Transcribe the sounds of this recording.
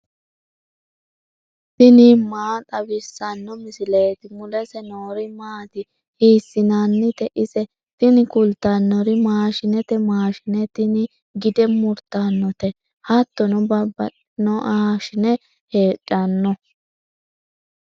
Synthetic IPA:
t̪ɪniːmaːt̪ʼɐbɪsːɐnːɔmɪsɪleːt̪ɪmʊlɛsɛnoːɾɪmaːt̪ɪ | hiːsːɪnanːɪt̪ɛʔɪsɛ | t̪ɪnɪkʊlt̪ːɐnːɔɾɪmaːʃɪnɛt̪ɛmaːʃɪnɛt̪ɪnɪ | ɡɪd̪ɛmʊɾt̪ːanːɔt̪ɛ | hɐt̪ːɔnɔbɐbɐ | nɔʔaːʃɪnɛ | heːt͡ʃʼːɐnːɔ

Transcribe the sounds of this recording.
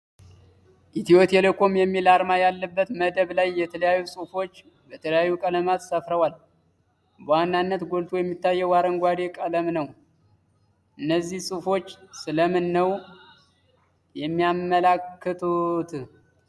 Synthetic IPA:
ʔit̪ʰiot̪ʰelɨkʰomjɛmːilaɾmajalːəbːət̪məd̪əβlajːɛt̪ʰələjajːusʼufo̞t͡ʃː | bət̪ʰələjajːukʼələmat̪səfɾəwal | bəwanːanːət̪ɡolt̪ʰojɛmːit̪ːajːɛwaɾəŋɡʷad̪e̞kʼələmnəw | ʔɨnːəzːihsʼɨfo̞t͡ʃːsɨləmɨnːəw | jɛmːijamːəlakʰːət̪ʰot̪ʰ

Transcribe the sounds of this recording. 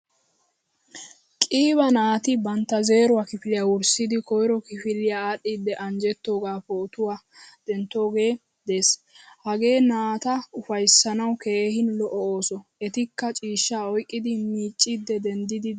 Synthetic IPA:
kʼiːβɐnaːt̪ɪbɐnt̪ːɐze̞ːɾʊwakɪfɪlɪjawʊɾsɪd̪ɪkɔjɾɔkɪfɪlɪjaaːɗːiːd̪ːɛʔɐnd͡ʒɛt̪ːo̞ːɡaːpoːt̪ʊwaː | d̪̥ɛnt̪ːo̞ːɡe̞ː | d̪e̞ːs | hɐɡe̞ːnaːt̪ɐʊfɐjsːɐnɐwke̞ːhɪnlɔʔɔoːsɔɛt̪ɪkːɐt͡ʃʼiːʃːaːɔjkʼːɪd̪ɪmiːt͡ʃʼːid̪ːɛd̪ɛnd̪ɪd̪ɪ

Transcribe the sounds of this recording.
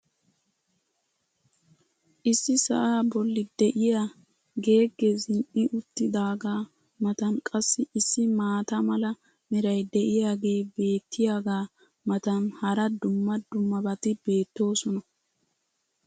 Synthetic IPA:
ʔɪsːɪsɐ̰ʔaːbɔlːɪd̪ɛʔɪja | ɡe̞ːɡːezɪnʔɪʔʊt̪ːɪd̪aːɡaː | mɐt̪ɐnkʼɐsːɪʔɪsːɪmaːt̪ɐmɐlɐ | mɪɾɐjd̪ɛʔɪjaːɡe̞ːbe̞ːt̪ːɪjaːɡaː | mɐt̪ɐnhɐɾɐd̪ʊmːɐd̪ʊmːɐbɐt̪ɪbe̞ːt̪ːo̞ːsɔnɐ

